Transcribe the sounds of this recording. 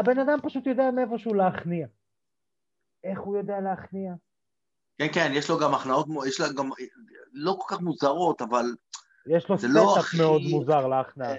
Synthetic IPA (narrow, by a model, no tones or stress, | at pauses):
abe̞nad̪ampaʃut̪jo̞d̪eamiefo̞ʃeuleaχnia | e̞χhujo̞dealeaχnia | kenkenjeʃloɡamaχnaot̪mjeʃlaɡamloko̞lkaχmuzaʁo̞t̪aval | jeʃlo̞szelotameo̞d̪mmuzaʁleaχnaa